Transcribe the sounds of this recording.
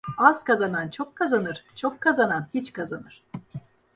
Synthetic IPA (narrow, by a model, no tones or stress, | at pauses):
az̥kazanant͡ʃʰo̞kʰːazanɯɾ̥t͡ʃʰokʰːazananhit͡ʃkʰazanɯɾ̥